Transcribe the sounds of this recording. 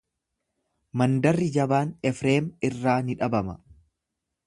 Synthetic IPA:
mɐnd̪ɐrːɪd͡ʒɐbaːnɛfɾe̞ːmɪrːaːnɪᶑɐbɐmɐ

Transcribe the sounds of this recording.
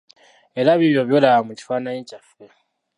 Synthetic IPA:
e̞ɾaβiβjo̞βjo̞lawamuci̥faːnaɲicafe̞

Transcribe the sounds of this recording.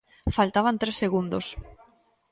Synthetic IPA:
falt̪aβ̞ant̪ɾesːeɣund̪os

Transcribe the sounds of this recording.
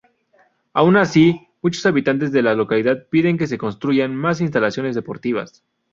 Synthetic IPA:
aunasi | mut͡ʃo̞saβit̪ant̪̬e̞zðe̞lalo̞kaliðaðpiðe̞ŋk̬e̞s̬e̞ko̞nst̪ɾuʝanmas̬ins̬t̪alasjonezðe̞po̞ɾt̪iβa̰s

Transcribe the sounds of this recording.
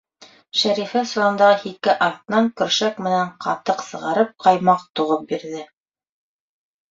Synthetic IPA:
ʃæɾifæsuɾɤ̆nd̪ɑʁɤhikɘʔɑɾt̪nɑŋkɵ̆ɾʃækmɘ̆næɴqʰɑ̰t̪ɤqsɤ̆ʁɑɾɤp̚qɑjmɑq̚t̪uʁɤp̚biɾðɘ

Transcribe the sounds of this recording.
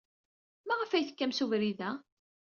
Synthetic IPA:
mæʁəfæjθə̥kːæmsuvɾiðæ

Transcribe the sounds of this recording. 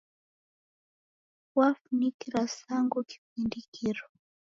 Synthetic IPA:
wafunikiɾasaŋɡuki̥p̚indikiɾɔ

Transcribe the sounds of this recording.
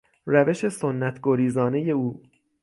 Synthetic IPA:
ræve̞ʃe̞sonːæt̪ʰɡoɾiːzɒːne̞je̞uː

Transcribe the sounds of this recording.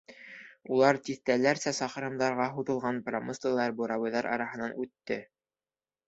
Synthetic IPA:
ulˠɑɾt̪iθt̪ælæɾsæsɑχɤ̆ɾɤ̆md̪ɑɾʁɑɦuðɤ̆lˠʁɑnpromoslˠɤlˠɑɾbuɾɑβɤ̆jðɑɾʔɑ̰ɾɑɦɤ̆nɑnʔʉt̪ːɘ

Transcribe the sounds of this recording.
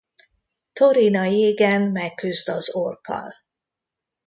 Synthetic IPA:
t̪o̞ɾinɒjeːɡɛmːɛkːyzd̪ɒzorkʰɒ̰l

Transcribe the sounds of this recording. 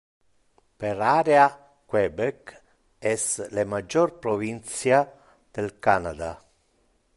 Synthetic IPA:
peɾaːɾea | kwɛbɛk | ɛslemad͡ʒːɔrpɾɔvint̪sja | d̪̥elkanad̪a̰

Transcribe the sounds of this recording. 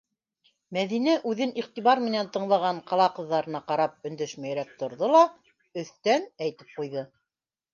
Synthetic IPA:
mæðinæʔʉðɘniχt̪iβɑɾmɘ̆nænt̪ɤ̆ɴlˠɑʁɑɴqɑlˠɑqɤ̆ðːɑɾɤ̆nɑqɑɾɑp̚ɵ̆nd̪ɘʃmæjɾæk̚t̪ŏɾðolˠɑ | ɵ̆θt̪ænæjt̪ɘ̥p̚qujðɤ

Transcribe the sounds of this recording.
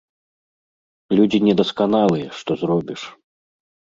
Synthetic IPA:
lʲud͡zʲinʲɛd̪ɐskanalˠɨjɛʂt̪ɔzɾɔbʲiʂ

